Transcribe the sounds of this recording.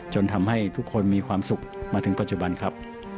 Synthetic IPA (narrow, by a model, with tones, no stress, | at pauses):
t͡ɕo˧nt̪ʰa˧mha˥˩jt̪ʰu˦˥kʰːo˧nmiː˧kʰwaː˧msu˨˩k̚maː˧t̪ʰɯ˩˦ŋpa˨t̪̚t͡ɕu˨˩ba˧nkʰa˦˥p̚